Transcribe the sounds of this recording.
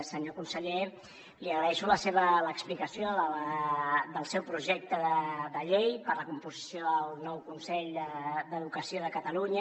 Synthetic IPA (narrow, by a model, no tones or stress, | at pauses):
səɲokunsəʎe | liəɣɾəɛʃuləseβələksplikəsioələd̪əlˠsɛwpɾuʒɛk̚t̪əðəðəʎejpəɾləkumpuzisjoəlˠnɔwkunsɛʎd̪əd̪əðukəsioðəkət̪əluɲə